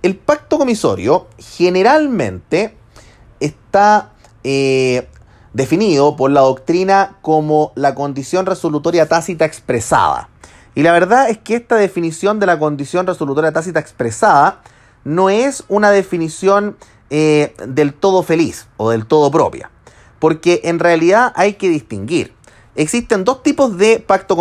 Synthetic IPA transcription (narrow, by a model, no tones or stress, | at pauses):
elpak̚t̪oko̞miso̰ɾjoxeneɾalmẽ̞̰nt̪eː | st̪a | e | d̪e̞finið̞opoɾlaðo̞kt̪ɾinakomolako̞nd̪isjo̞nreso̞lut̪o̞ɾjat̪asit̪aekspɾesa̰ða̰ | ilaβe̞ɾðaeskeest̪aðe̞finisjo̞nd̪elako̞nd̪isjo̞nreso̞lut̪o̞ɾjat̪asit̪aekspɾesaða | no̞esunaðefinisjo̞n | ed̪e̞lt̪o̞ðofe̞liso̞ðe̞lt̪o̞ð̞op̬ɾo̞̰pja̰ | poɾkeʔenrealiðaʔajkeðist̪iŋɡḭɾ | eksist̪end̪o̞st̪ipo̞zðepak̚t̪ok